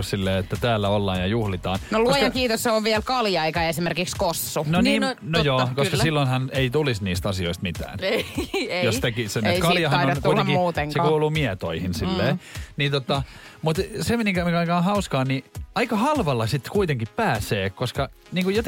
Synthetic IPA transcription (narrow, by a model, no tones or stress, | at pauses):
ssilːeːet̪ːæt̪æːlːæolːɑːnjɑjuhlit̪ɑ̰ːnnoluojɑkiːt̪osseoʋʋiɛlkɑljɑikɑesimerkikskosːunoniːnojoːkoskɑsilːonhɑneit̪ulisniːst̪ɑsioist̪mit̪æ̰ːnejost̪ekiseekɑljɑhɑnnonkuilt̪ːiuːt̪eŋkseɑkuːluːmiɛt̪o̰ihinsilːeːnit̪ot̪ɑ | mut̪semeniŋkæmekɑikɑːhɑuskɑːnniɑikɑhɑlʋɑlːɑsit̪ːkuit̪eŋkippæːseːkoskɑ | niːŋkujot̪